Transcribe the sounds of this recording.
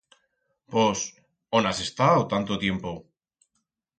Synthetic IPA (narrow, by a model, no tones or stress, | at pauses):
pos | onase̞st̪awt̪ant̪ot̪je̞mpo